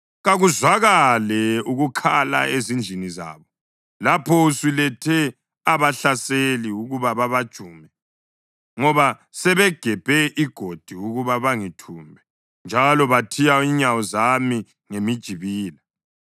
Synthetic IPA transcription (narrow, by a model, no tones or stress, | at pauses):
ɣaɣuzwaɣalɛuɣukʰala̰ezind͡ʒʱiniza̰ːβɔ | lapʰɔusilɛtʰɛ | aβaɬaseliuɣuβaβaβad̥ʒ̥ʱuːmɛ | ŋɔβa | sɛβɛɡ̥ʱɛb̥ʱɛʔiɡ̥ʱod̥ʱiuɣuβaβaŋitʰumbʱɛ | nd͡ʒʱalɔβatʰijaiɲawɔzami | ŋemid̥ʒ̥ʱiβiːla